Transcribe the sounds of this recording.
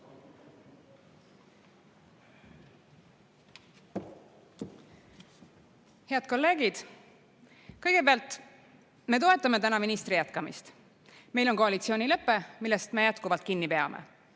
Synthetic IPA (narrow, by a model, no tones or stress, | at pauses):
he̞ɑd̪̥̚ko̞lːe̞ːɡid̪̥ | kɤjɡe̞peɑlt̪ˑ | me̞t̪o̞e̞t̪ˑːɑme̞t̪ænɑminist̪rijæt̪kɑmḭst̪ | me̞jlo̞nko̞ɑlit̪sio̞ːnʲilɤpːemilːe̞st̪me̞jæt̪kuvɑlt̪̚kinːipe̞ɑ̰mʔḛ